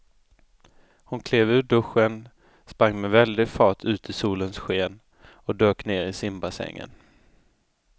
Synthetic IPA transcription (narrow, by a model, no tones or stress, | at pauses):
hʊnkʰleːvʉ̟ːɖɵɧːən | spɾaŋːmɛvɛld̪ɪɡfɑːʈʰʉ̟ːt̪ʰɪsuːlənsɧeːn | ɔd̪øːkneːɾɪsɪmbasɛ̰ŋːə̰n